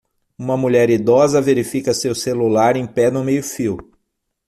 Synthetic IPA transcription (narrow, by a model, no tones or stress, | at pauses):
ũmɐmuʎɛɾid̪ɔzɐveɾifikɐsewselulaɾẽj̃pɛnʊmejʊfiw